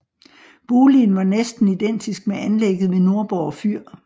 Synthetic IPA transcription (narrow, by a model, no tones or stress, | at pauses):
b̥uːlinʋɑ̈nesd̥n̩id̥en̰d̥isɡ̥̚meænleɡ̥ð̩ˠʋeno̝ɐb̥ɒʊfyɐ̰